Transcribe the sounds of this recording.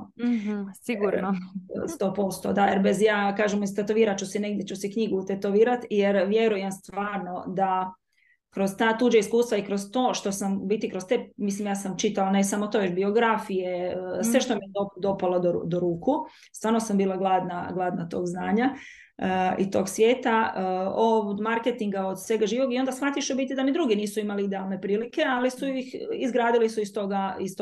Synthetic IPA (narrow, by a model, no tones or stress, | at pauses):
siɡuɾnst̪oːpo̞st̪o̰d̪ajeɾbezjaːkaːʒemoist̪et̪oʋiːɾat̪̚t͡ʃusineɡd̪ʲjet͡ʃusikɲiɡuːt̪et̪oʋiːɾat̪jeɾʋje̞ɾujemst̪ʋaːɾno̞d̪a | kɾo̞zt̪aːt̪uːd͡ʒaiskuːst̪ʋaikɾost̪o̞ːʃt̪o̞sambit̪ikɾo̞st̪emislimjaːsamt͡ʃit̪alanesamot̪oʋet͡ʃbio̞ɡɾafijesʋe̞ʃt̪omid̪opd̪o̞palad̪oɾ̰d̪oɾuːku | st̪ʋaːɾnosambiːlˠaɡlˠad̪naɡlˠad̪nat̪o̞ːɡznaːɲa | ḭt̪o̞ːɡsʋjeːt̪aod̪maɾket̪iŋɡaod̪sʋe̞ɡaʒiːʋoɡio̞nd̪asxat̪iʃubit̪id̪amid̪ɾuɡiniːsuimaliid̪ealˠne̞pɾiːlike̞alisujixizɡɾaːd̪ilisuist̪oɡaist̪